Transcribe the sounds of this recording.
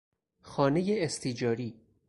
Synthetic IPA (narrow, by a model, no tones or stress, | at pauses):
xɒːnejeːst̪ʰid͡ʒɒːɾiː